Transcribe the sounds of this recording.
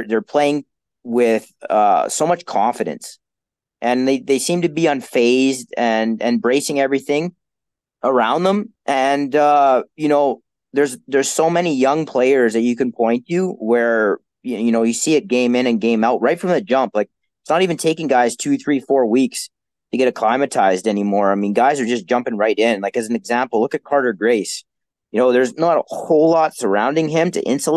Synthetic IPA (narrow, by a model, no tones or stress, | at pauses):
ðə˞pʰl̥eɪɪ̃ŋ | wɪð̥ʌ̰soʊmʌt͡ʃkʰɑ̃ɱfɨɾɨ̰̃ns | ʔɨ̃nðeɪðeɪsĩmtɨbiə̃nfeɪzdɨ̃nɛ̰̃mbɹeɪsɪ̃ŋɛvɹiθɪ̃ŋ | ʔə˞ãʊ̃nðə̃mʔɨ̃nʌjɨnoʊ | ðə˞zðə˞z̥soʊmɛnijʌ̃ŋpʰl̥eɪə˞zðɨt͡ʃɨkɨ̃npʰɔ̃ɪ̃ntʰʉwə˞ | jjɨnoʊjɨsiɨt̚ɡ̥ẽɪ̃mɪ̃ñɨ̃nɡẽɪ̃maʊt̚ɹaɪtfɹʌ̃mðɨt̚d̥ʒ̥ʌ̃mplaɪk̚ | ɪtsnəɾivɨ̃ntʰeɪkɪ̃ŋɡaɪz̥tʰʉθɹifɔɹwiks | tʰɨɡɛɾɨkʰl̥ãɪ̃mɨtʰaɪzdɛnimɔɹaɪmĩnɡaɪzə˞d͡ʒʌsd̥ʒ̥ʌ̃mpɪ̃ŋɹaɪɾɪ̃nlaɪkɨzn̩ɨɡzæ̃mpl̩ˠlʊkɨt̚kʰɑɹɾə˞ɡɹeɪs | jɨnoʊðə˞znəɾəhoʊlɑtsə˞ãʊ̃ndɪ̃ŋɪ̃mtʰɨ̰ʔɪ̰̃nsəl